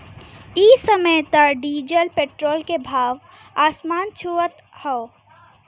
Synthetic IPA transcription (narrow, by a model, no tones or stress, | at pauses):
isəməjt̪əɖid͡ʒəlpeʈɾolkebʱaːʋ | asmaːnt͡ʃʰuət̪ | hɔʊ